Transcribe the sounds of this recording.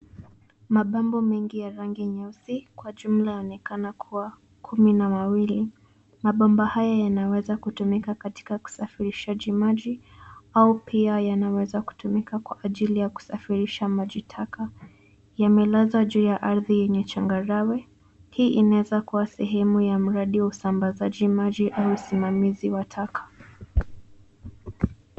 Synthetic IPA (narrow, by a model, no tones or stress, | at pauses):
maɓambɔmɛŋɡijaɾaŋɡiɲɛsikwaʄum̩lajaɔnɛkanakʰuwa | kʰuminamawili | maɓambɔhajajanawɛzakutumikakati̥kaku̥safiɾiʃaʄimaʄiaupʰiajanawɛzaku̥tumikakwa̰ʔːʄilijaku̥safiɾiʃamaʄitʰaka | jamɛlazaʄuːjaʔaɾðijɛɲɛt͡ʃaŋɡaɾawɛ | hiːʔinaɛzakuwasɛɦɛmujam̩ɾaɗiwausambazaʄimaʄiʔauusimamiziwatʰakʰḁ